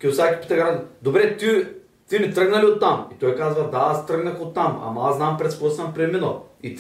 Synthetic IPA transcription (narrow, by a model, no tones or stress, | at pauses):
kʲɛusakʲi̥pi̥t̪ɛɡad̪obɾɛt̪i | t̪imit̪ɾəɡnɐliot̪ːamit̪ɔjkazvɐd̪aast̪ɾɤɡnɐxot̪ːamɐ̰mɐaznampɾɛt̪spost̪ɐmpɾɛminoit̪